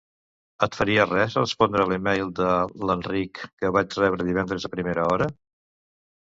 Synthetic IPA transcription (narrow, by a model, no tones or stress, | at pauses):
ət̪fəɾiərɛzrəspɔnd̪ɾəːlimejlˠd̪ələnrikːəβat͡ʃrɛβɾəðiβɛnd̪ɾəzðəpɾimeɾəɔɾə